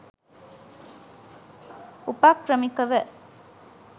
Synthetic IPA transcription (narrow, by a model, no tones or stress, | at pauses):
ʊpːaːkːɾɐmɪkːɐʋɐ